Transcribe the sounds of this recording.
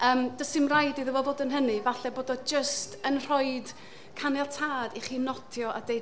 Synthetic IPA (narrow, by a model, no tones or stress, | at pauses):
əːmd̥əsɪmrajdiðəvɔvoːdənɦənɨvaɬɛboːdɔd͡ʒəstʰənr̥ɔɨd | kʰanɛlˠtʰaːdiχiːnɔtʰjɔʔadej